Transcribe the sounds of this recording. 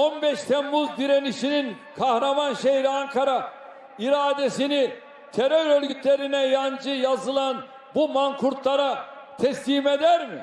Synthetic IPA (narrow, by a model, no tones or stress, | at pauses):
o̞nbɛʃt̪ʰɛmːuzd̪iɾeniʃinin | kʰahɾamanʃehiɾiaŋkʰaɾa | iɾaːd̪esini | t̪ʰeɾøɾølʲɟyt̪lʲe̞ɾinɛjand͡ʒɯjazɯlˠan | bumaŋkʰuɾt̪lˠaɾa | t̪ʰɛslʲiːmed̪æɾmi